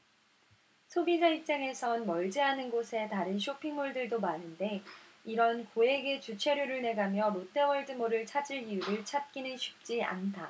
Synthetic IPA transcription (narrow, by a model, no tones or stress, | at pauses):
sʰobid͡ʑaip̚t͡ɕ͈aŋe̞sʰʌnmʌɭd͡ʑiɦanɯnɡosʰe̞taɾɯnɕʰopʰiŋmuɭdɯɭdomanɯnde̞iɾʌnkoe̞ɡe̞t͡ɕut͡ɕʰe̞ɾjuɾɯɭne̞ɡamjʌɾot͈ʰe̞wʌɭd͡ʑɯmoɾɯɭt͡ɕʰad͡ʑiɭiuɾɯɭt͡ɕʰat̚k͈inɯnɕʰi̥p̚t͡ɕ͈ia̰ntʰa